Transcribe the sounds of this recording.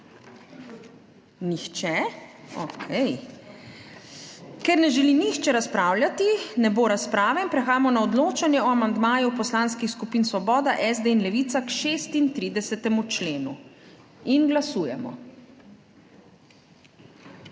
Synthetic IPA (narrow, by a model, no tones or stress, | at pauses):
nixt͡ʃɛɔ̰kʰɛj | kɛɾnɛʒɛlinixt͡ʃɛɾaspɾaːwljat̪inɛboːɾaspɾaːʋɛinpɾɛxaːjamɔnaɔd̪loːt͡ʃanjɛɔamand̪maːjupɔslanskixskupiːnsʋɔbɔːd̪aʔɛzd̪einlɛʋit̪sakʃeːst̪int̪ɾiːd̪ɛsɛt̪ɛmut͡ʃleːnu | inɡlasuːjɛ̰mɔ̰